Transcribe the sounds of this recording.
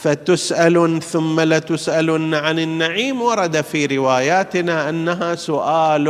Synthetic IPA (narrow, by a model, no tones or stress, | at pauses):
fat̪ʊsʔalθʊmːalat̪ʊsʔalnʕanɪnːaʕiːmwɑɾˤɑd̪afiːɾɪwaːjaːt̪ɪnaʔanːaɦasʊʔaːl